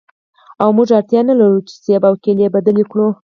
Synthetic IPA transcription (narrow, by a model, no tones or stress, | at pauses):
awmuʐaɾt̪jɑnalaɾut͡ʃe̥sebawkelebad̪alikɽu